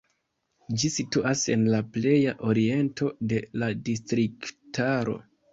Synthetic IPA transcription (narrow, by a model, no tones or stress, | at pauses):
d͡ʒisituʔase̞nlaple̞jaʔo̞ɾie̞ntʰo̞de̞ladistɾiktaɾo̞̰